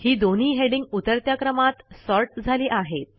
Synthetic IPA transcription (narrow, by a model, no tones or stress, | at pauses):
hiːd̪on̤iːɦeɽiŋɡut̪əɾt̪jakɾəmat̪sɔɾʈ̚d͡zʱaliːʔaɦet̪̚